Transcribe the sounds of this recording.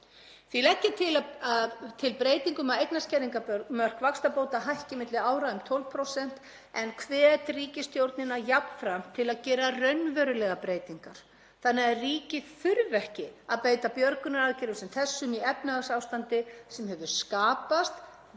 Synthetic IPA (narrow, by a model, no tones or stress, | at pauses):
θilɛhcːɪt̪ʰɪlaaðt̪ʰɪlpɾeːjt̪iŋkʏmaðejt̪nascɛɾiŋkapœɾmœr̥kvakst̪apowt̪aɦajhcɪmɪt̪lɪaːwɾaʏmt̪ʰɔlv̥pʰɾowsɛn̥t̪ | ɛnkʰvɛːɛt̪riːcɪst̪ʰjowɾt̪nɪnaðjapnfɾam̥t̪ʰɪlaðcɛːɾarœɥnvœɾʏlɛɣapɾeːjt̪iŋkaɾ̥ | θanːɛɣariːcɪθʏɾvɛhcɪaðpeːjt̪apjœɾkʏnaɾaðcɪɾʏsɛmθɛsːʏmiɛpnaasaːwst̪ant̪ɪsɛmhɛvʏskaːpast̪